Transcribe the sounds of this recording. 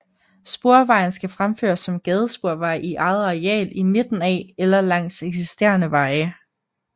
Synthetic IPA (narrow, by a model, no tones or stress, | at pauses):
sb̥o̝ɐ̰ʋɑ̈ɪn̩sɡ̥æfʁamfø̰ːɐsːɒ̽mɡ̥ɛːð̞ˠəsb̥o̝ɐ̰ʋɑ̈ɪ̰ʔiʔɑ̈ɪð̩ˠʁɛ̰ːlime̝d̥n̩æelɐlɑ̈ŋ̰seɡ̥sisd̥e̝̰ːɐnəʋɑ̈ɪ